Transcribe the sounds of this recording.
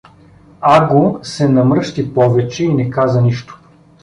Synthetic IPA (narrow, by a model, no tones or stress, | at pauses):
aɡosɛnɐmɾɤʃt̪ipɔvɛt͡ʃɛinɛkazɐniʃt̪o̥